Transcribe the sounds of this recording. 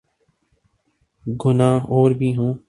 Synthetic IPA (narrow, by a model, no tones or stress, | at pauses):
ɡʊnãːoːɾbʱiːɦũː